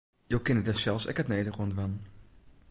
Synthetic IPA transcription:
jowkɪnədasɛlˠsɛ̰kətnejdərondʋan

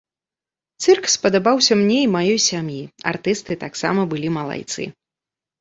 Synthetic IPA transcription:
t̪sɛrkfʲspɐd̪abawsʲɐmnʲeimajɔjsʲamjia̰rt̪ɨst̪ɨt̪aksa̰mɐbɨlʲimɐlˠa̰jt̪sɨ̰

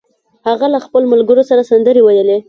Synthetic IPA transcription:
haɣalaxpəlomalɡəɾosaɾasand̪əɾewajəle

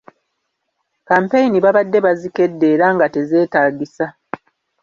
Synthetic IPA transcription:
kaːmpe̞jiniβaβadːe̞βazike̞dːe̞ːɾaŋɡate̞ze̞ːtaːɡisa

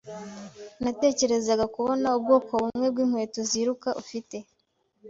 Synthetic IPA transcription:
nate̞ːce̞ɾe̞zaɡakuβo̞naub̚ɡo̞ːko̞βummŋwe̞b̚ɡwiːm̥we̞ːtoziɾukaʔufite̞

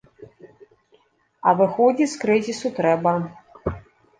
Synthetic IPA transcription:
ɐvɨxɔd͡zʲiskɾɨzʲisut̪ɾɛbɐ

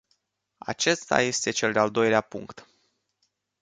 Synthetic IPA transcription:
a̰t͡ʃe̞st̪a̰je̞st̪e̞t͡ʃe̞ld̪eald̪o̞jleapuŋkt̪

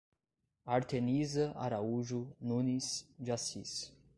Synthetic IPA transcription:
aɾt̪enizɐa̰ɾauʒunũnisʒasis

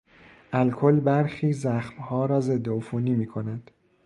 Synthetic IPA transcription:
ʔælkʰo̞lbæɾxiːzæxmhɒːɾɒːze̞d̪ːeofuːniːmiːkʰo̞næd̪̥

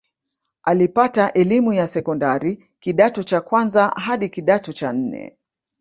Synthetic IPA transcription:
alipataʔɛlimujasɛkɔndaɾi | kiɗatɔt͡ʃakwanzaɦaɗikiɗatɔt͡ʃan̩nɛ̰

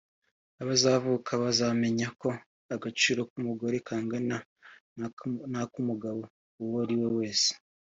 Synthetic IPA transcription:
aβazaːvukʰaβazame̞ɲako̞ | aɡat͡ʃiːɾo̞kumuɡo̞ɾekʰaːŋɡana | nakumuɡaβo | uwoɾiwo̞we̞ːse̥

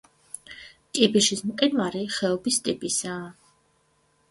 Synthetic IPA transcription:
t̪ʼipʼiʃismqʼɛnvaɾiχɛɔbist̪ʼipʼisaː

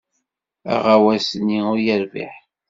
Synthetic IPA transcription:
æ̰ʁawæsniʊɾjəɾvḭħ

